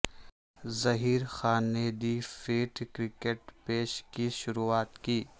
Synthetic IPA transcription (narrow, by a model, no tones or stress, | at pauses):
zɐɦiːɾxaːnːeːd̪ifeːʈkɾɪkeʈpeːʃkiʃʊɾuaːt̪kiː